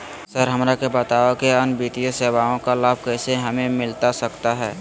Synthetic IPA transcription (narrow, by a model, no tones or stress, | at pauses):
səɾɦɐmɾakebət̪aːokeənbiːt̪ijəseːʋaːõkalaːb̚ʱkɛːseɦɐmẽmɪlt̪asɐkt̪aɦɛː